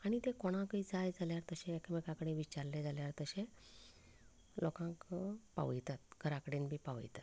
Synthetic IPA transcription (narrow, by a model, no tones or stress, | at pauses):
aɽ̃it̪ekoɽ̃ãkid͡zajd͡zaljaɾt̪əɕeːkəmekakəɽĩʋit͡ɕaɾled͡zaljaɾt̪əɕe | lɔkãŋkpa̰ʋit̪at̪̚ɡʱəɾakəɽiːnbʱiːpaʋḭt̪at̪